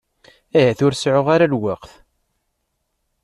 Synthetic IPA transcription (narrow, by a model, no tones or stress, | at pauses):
æjæθʊɾsʕʊʁaɾalwaqθ